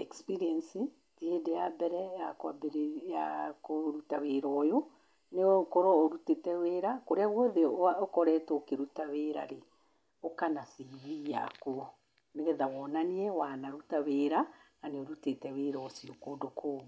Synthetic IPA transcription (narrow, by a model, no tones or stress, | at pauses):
ɛkspiɾiɛnsi | tiedejabɛɾɛjakwabeɾejakoɾutaweɾɔjo | nekɔɾɔːɾutetɛweɾakoɾeaɣwɔðeaɔkɔɾɛtokeɾutaweːɾaɾe | okanasiβija̰ko | neɣɛðawɔnaniɛwanaɾutaweɾa | aneoɾutetɛweɾɔsiokoːdokʰoː